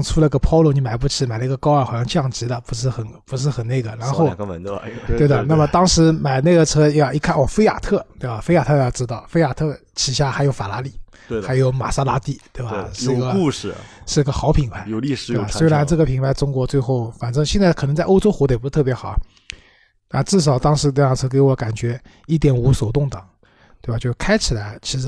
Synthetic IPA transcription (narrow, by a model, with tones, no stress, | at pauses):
ŋʈ͡ʂʰu˥lə˧˥ɡə˧pʰɑ˥ʊlɔ˥˩ni˧˥ma˨˩ɪp̬u˥˩ʈ͡ʂʰɻ̩˧˥ma˨˩ɪlə˦˧i˧˥ɡə˧kɑ˥ʊə˞˧˥˩xɕjɑ˥˧ŋt͡ɕjɑ˥˩ŋʈ͡ʂɻ̩˧˥d̪ə˧pu˧˥ʂ̬ɻ̩˥˩xə˨˩npu˧˥ʂ̬ɻ̩˥˩˧xə˨˩ne˥˩ɪɡə˩ɻa˧˥nxo˥˧ʊ˧ttwe˥˩ɪd̪ə˩na˥˧˩mə˩t̪ɑ˥ŋʂɻ̩˧˥ma˨˩ɪne˥˩ɡə˩ʈ͡ʂʰɤ˥jɑ˥˩ʊi˧˥kʰa˥nwɔ˨˩fe˥ɪja̰˨˩t̪ʰɤ˥˩t̪we˥˩ɪba˨˩fe˥ɪja˨˩t̪ʰɤ˥˧jɑ˥˧ʊʈ͡ʂɻ̩˥t̪ɑ˥˩ʊfe˥ja˨˩t̪ʰɤ˥˩ | t͡ɕʰi˨˩ɕ̬ja˥˩xɪjo˧˥ʊfa˨˩la˧˥li˨˩˦ | xa˧˥ɪjo˧˥ʊma̰˨˩sa˥la˧˥t̪i˥˩t̪we˥˩ɪba˧˩ʂɻ̩˥˩i˧ɡə˧˩ʂɻ̩˥˩i˧˥ɡə˧xɑ˧˥ʊpʰi˨˩ŋpʰa˧˥ɪ˧t̪o˥˧˩a˨˧˩swɪla˧˥nʈ͡ʂɤ˥˩ə˩pʰi˨˩ŋnpʰa˧˥ɪʈ͡ʂʊ˥ŋkwɔ˧˥t͡swe˥˧ɪxo˥˩ʊfa˨˩nʈ͡ʂɤ˥ŋɕjɛ˥˧nt͡sa˥˩kʰnɤ˧˥t͡sa˥˧ɪʔo˥ʊʈ͡ʂo˥ʊxwɔ˧˥t̪pʂ̩˥˧t̪ʰɤ˥˩p̬jɛ˧˥xɑ˨˩˦ | na˥˧ʈ͡ʂɻ̩˥˩ʂ̬ɑ˨˩ʊt̪ɑ˥ŋʂɻ̩˧˥lə˩t͡sʰɤ˥ke˧˥ɪwɔ˧˥ka˨˩nt͡ɕɥɛ˧˥ | i˥˩t̪jɛ˨˩nu˧˥so˨˩ʊt̪ʊ˥˩ŋt̪ɤ˨˩˦ŋ | t̪we˥˧ba˨˧t͡ɕjo˥˩ʊkʰa˥ɪt͡ɕʰi˨˩la˧˥ɪt͡ɕʰi˧˥ʂɻ̩˧˥